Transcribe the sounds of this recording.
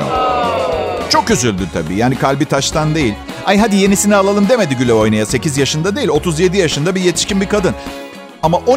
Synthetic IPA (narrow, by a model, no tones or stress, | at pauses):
a̰ | t͡ʃʰo̞k̚ɟyzylʲd̪yt̪ʰa̰bḭːjaːnikʰalʲbit̪ʰaʃt̪ʰand̪e̞jilʲhajɦad̪ije̞nisinialˠalˠɯmd̪e̞me̞d̪iɟylʲɛo̞jnajase̞cizjaʃɯnd̪ad̪e̞jilʲo̞t̪ʰuzje̞d̪ijaʃɯnd̪abije̞t̪ʰiʃcʲinbikad̪ɯn | amaʔo